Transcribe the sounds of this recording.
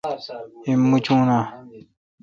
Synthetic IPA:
imːut͡ʃũnã

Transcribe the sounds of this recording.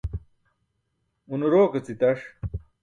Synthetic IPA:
unuɾoːkɐt͡sit̪ɐʂ

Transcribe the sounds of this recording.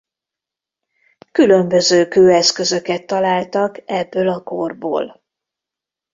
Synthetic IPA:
kylø̞mbø̞zøːkøːɛskø̞zø̞kɛt̪ːɒlaːlt̪ɒkɛbːøːlɒko̞rbo̰ːl

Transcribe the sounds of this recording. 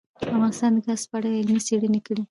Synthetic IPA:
afɣɑnɪst̪ɑnd̪əkaspaɽaɪlmiseɽənekəɽi

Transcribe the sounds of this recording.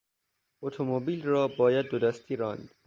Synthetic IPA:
ot̪ʰomobiːlrɒːbɒːjæd̪̚ːod̪æst̪ʰiːɾɒːnd̪̥

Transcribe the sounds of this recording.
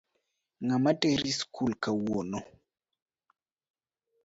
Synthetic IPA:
ŋamateɾiskʰulkawonɔ

